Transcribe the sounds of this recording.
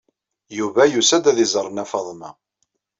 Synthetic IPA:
juvæjusæd̪æðizˤəɾˤːənæfɑðˤmæ̰

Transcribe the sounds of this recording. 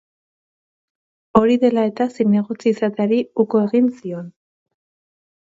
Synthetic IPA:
o̞ɾiðe̞lae̞t̪asine̞ɣ̞o̞t͡siːsat̪eaɾiukoe̞ɣinsio̞n

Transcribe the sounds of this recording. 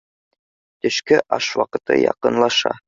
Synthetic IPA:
t̪ɵ̆ʃkɘʔɑʃwɑqɤ̆t̪ɤ̰jɑqɤ̆nlˠɑʃɑ̰

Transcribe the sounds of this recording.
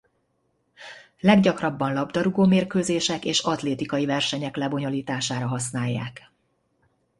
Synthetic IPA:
lɛɡɟɒkrɒbːɒnlɒbd̪ɒɾuɡoːmeːrkøːzeːʃɛkeːʃɒt̪leːt̪ikɒjivɛrʃɛɲɛklɛbo̞ɲo̞liːt̪aːʃaːɾɒɦɒsnaːjːa̰ːk

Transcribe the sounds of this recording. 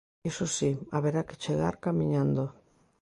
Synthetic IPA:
isusiaβeɾake̥t͡ʃeɣa̰ɾkamiɲand̪o

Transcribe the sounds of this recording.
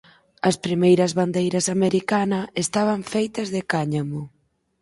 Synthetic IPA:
ɐspɾimejɾɐzβand̪ejɾɐsameɾikanɐest̪aβɐɱfejt̪ɐzðekaɲamʊ

